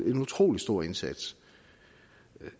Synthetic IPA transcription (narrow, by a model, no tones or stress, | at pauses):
e̝nut͡sʰʁo̝̰ːlisd̥o̝ɐ̰e̝nsæd̥s